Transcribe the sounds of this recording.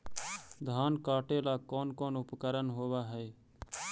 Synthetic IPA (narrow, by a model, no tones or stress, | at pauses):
d̪ʱaːnkaːʈelaːkoːnkoːnʊpkəɾənɦoːʋaɦɛː